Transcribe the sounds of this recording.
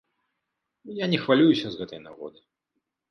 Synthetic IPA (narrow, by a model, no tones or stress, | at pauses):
ujanʲɛxvalʲujusʲɐzɣɛt̪ɐjnaɣɔ̰d̪ɨ